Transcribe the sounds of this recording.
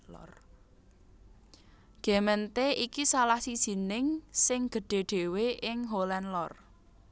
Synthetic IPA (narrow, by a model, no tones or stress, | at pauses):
r | ɡ̥ɛ̤mənt̪eikisalahsi̥ʒ̥i̤nɪŋsɪŋɡ̥ə̤ɖ̥e̤ɖ̥e̤weʔɪŋɦolɛnlɔr